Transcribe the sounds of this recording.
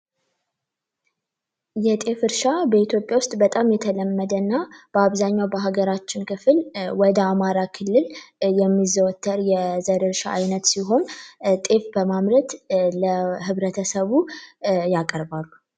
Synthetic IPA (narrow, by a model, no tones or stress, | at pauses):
jɛt̪ʼe̞fɨɾʃabəit̪ʰjo̞pʼjawʊst̪ʼbət̪ʼamjɛt̪ʰələmːəd̪ənːab̥əaβzaɲːawbəɦaɡəɾat͡ʃːɪnkʰɨfɨlwɔd̪əamaɾakʰɨlːɨljɛmːizəwɔt̪ʰːəɾjɛzəɾɨɾʃa̰ajnət̪siɦo̞nt̪ʼe̞fbəmamɾət̪ləɦɨβɾət̪ʰəsəβujakʼəɾbalːu